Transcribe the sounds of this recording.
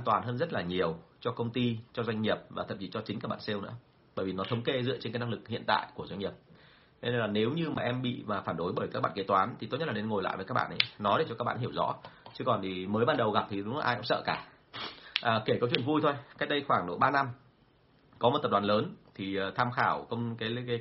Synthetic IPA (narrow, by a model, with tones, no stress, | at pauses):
ʔaː˧nt̪waː˨˩nɦəː˧nzə˦˥t̚laː˨˩ɲi˨˩əwt͡ɕɔ˧kə˧wŋ͡mt̪i˧t͡ɕɔ˧zwa˧jŋɲi˨˩əp̚vaː˨˩t̪ʰə˨˩t͡ɕi˨˩t͡ɕɔ˧t͡ɕi˨˦ŋkaː˦˥ɓa̰ː˧˨nse˧wnɨ̰˧˥ə | ɓəː˧˩jvi˨˩nɔ˨˦t̪ʰə˨˦wŋ͡mke˧zɨ̰˧ət͡ɕnkːaː˨˦jnaː˦˧˥klɨ˨˩k̚hḭ˧˨nt̪a̰ː˧˨jku˧˩əzwa˧jŋɲi˨˩əp̪̚ʰ | e˧˦nə˧jlaː˨˩ne˨˦wɲɨ˧maː˨˩ʔɛ˧mɓḭ˧˨maː˨˩faː˧˩nɗo˨˦jɓəː˧˩jkaː˦˥k̚ɓa̰ː˧˨ke˨˦t̪waː˨˦nt̪ʰi˨t̪o˦˥ɲ˦˥tlaː˨ne˧nŋo˨˩jla̰ː˧˨jvəː˨˦kaː˦˥k̚ɓa̰ː˧nʔə˨˦nɔ˨˦ɗe˧˩t͡ɕɔ˧a˦˥k̚ɓ̰a̰ː˧nɦi˧˩əwzɔ̰˧˥t͡ɕɨ˨˧˦kɔ˨˩nt̪ʰi˨˩məː˨˦jɓaː˧nɗə˨˩wɣa˨˩p̚t̪ʰi˨˩ɗʊ˨˦ŋ͡mlaː˨˩ʔa˧jkŋ͡msə̰ː˧˨kaː˧˩ | ʔəː˨˩ke˧˩kɔ˨˦t͡ɕwḭ˧˨ənvu˧jt̪ʰo˧jka˦˥k̚ɗə˧jxwaː˧˩ŋɗo̰˧˩jɓaː˧na˧m | kɔ˨˦m˨˩t̪ə˨˩ɗaː˨˩nləː˨˦nt̪ʰiː˨˩˨t̪ʰaː˧mxaː˧˩wkə˧wŋ͡mkaː˨˦j